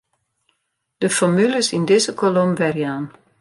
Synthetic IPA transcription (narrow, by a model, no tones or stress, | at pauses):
d̥əfɔmyləsindɪzəkʰolomʋɛrjaːn